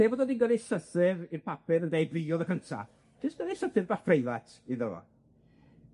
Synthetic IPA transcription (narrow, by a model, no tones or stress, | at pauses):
eːbɔːdɔdinɡədɛsəθɪvirpʰapɨɾəndejbðiɔðəkʰəntʰa̰ | d̥ʰɪsɡ̥ədɛsəθɨvbafrejlˠatʰiðəlɔ̰